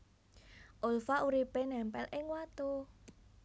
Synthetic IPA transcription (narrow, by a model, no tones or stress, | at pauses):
ʔolfaʔuɾipenɛmpɛ̰lʔɪŋwat̪u